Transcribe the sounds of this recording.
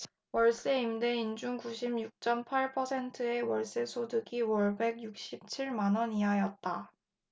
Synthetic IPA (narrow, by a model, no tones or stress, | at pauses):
wʌɭs͈ɯeimde̞ind͡ʑuŋkuɕʰimjuk̚t͡ɕ͈ʌmpʰaɭpʰʌsʰe̞ntʰɯe̞wʌɭs͈ɯsʰodɯɡiwʌɭbe̞ɡjuk̚ɕ͈ip̚t͡ɕʰiɭmanʌniɦajʌt̚t͈a